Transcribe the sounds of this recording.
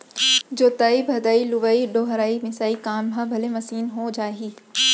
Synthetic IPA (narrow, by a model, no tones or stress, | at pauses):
d͡ʑoːt̪aːibʱɐd̪aːiluʋaiɖoːɦɐɾaːimɪsaːikaːmbʱãbʱɐlemɐsiːnɦod͡ʒaːɦiː